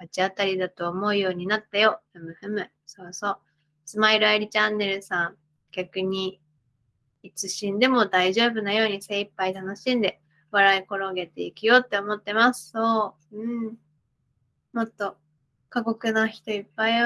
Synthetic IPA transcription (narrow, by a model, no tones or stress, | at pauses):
at͡ɕiat̪aɾʲid̪at̪o̞ːmo̞ɯ̟jo̞ːɲ̟inat̪ːajo̞emɯ̟hɯmɯ̟ | so̞ɾoso̞ː | sɨmaiɾɯ̟aiɾʲit͡ɕãnːe̞ɾɯ̟sãŋ | ɡ̥ʲakɯ̟ɲ̟i | it͡sɨɕĩnd̪e̞mo̞d̪aiʑo̞ːbɯ̟najo̞ːɲ̟ise̞ipːait̪ano̞ɕĩnd̪e̞ | βaɾaiko̞ɾo̞ɡe̞t̪e̞ikɯ̟jo̞ːt̪ːe̞omo̞t̪ːe̞masɨ̥so̞ː | ɯ̟̃ɴ | mo̞t̪ːo̞ | kaɡo̞kɯ̟naçi̥t̪o̞ipːai